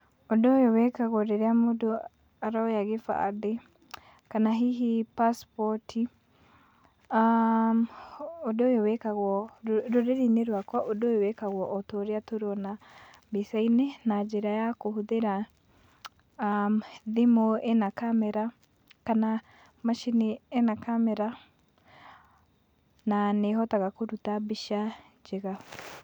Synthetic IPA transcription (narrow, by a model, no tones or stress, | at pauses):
odojowɛkaɣɔɾeɾeamodo | aɾɔɔjaɣefa̰ðe | kanaɦiɦipaspɔtʰi | amodojowɛkaɣwɔɾoɾeɾineɾwakɔʔodojowɛkaɣwɔʔɔtoɾeatoɾɔna | besainenad͡ʒeɾajakohuðeɾa | mðemoenakamɛɾa | kana | maʃinienakamɛɾa | naneɦɔtaɣakoɾutabiʃa | d͡ʒeɣa